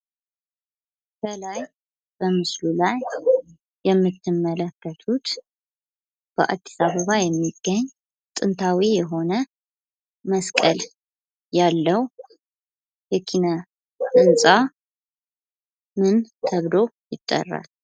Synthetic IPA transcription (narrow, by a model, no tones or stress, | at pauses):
bəlaj | b̥əmɨslulajː | ɛmːɨt̪ːɨmːələkːət̪ʰut̪ | b̥əʔa̰d̪ːisaβəβajɛmːiɡ̥ːəɲː | t̪ʼɨnt̪ʰawijɛɦo̞nə | məskʼəl | jalːəw | jɛkʰina | tɨnt͡sʼa | mɨnt̪ʰəβlojɪt̪ʼːə̰rːa̰l